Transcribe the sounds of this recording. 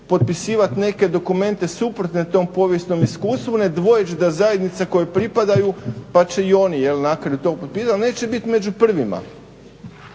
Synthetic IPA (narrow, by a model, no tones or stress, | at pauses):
po̞t̪̚pisiːʋat̪ne̞ke̞d̪o̞kume̞nt̪e̞supɾot̪ne̞t̪o̞ːmpo̞ʋjesno̞miskuːst̪ʋune̞d̪ʋo̞jet͡ʃd̪azajed̪nit̪sako̞jepɾipad̪ajupat͡ʃe̞io̞nijelnakɾajut̪o̞ɡpo̞t̪̚piːsalne̞ːt͡ʃe̞bit̪me̞d͡ʒupr̩ʋima̰